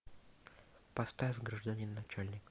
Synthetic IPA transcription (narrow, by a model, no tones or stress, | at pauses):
pɐst̪afɡɾəʐd̪anʲinːɐt͡ɕalʲnʲɪk